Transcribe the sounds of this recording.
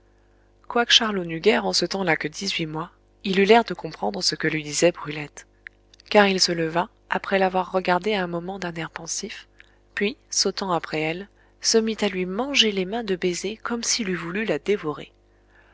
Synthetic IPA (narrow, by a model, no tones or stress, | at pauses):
kwakə̥ʃaʁlonyɡʲɛʁɑ̃sət̪ɑ̃lakəd̪izɥimwa | ilylɛʁd̪əkɔ̃pχɑ̃d̪ʁəsəkəlɥid̪izɛbʁylɛt̪ | kaʁilsələva | apχɛlavwaʁːəɡaʁd̪eaɛ̃mɔmɑ̃d̪ɛ̃nɛʁpɑ̃sif | pɥisot̪ɑ̃apχɛɛl | səmit̪alɥimɑ̃ʒelemɛ̃d̪əbezekɔmsilyvulylad̪evɔʁḛ